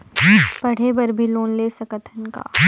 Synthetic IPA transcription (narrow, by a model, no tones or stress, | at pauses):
pɐɽ̤ebɐɾbʱiloːnlesɐkət̪ʰənka̰ː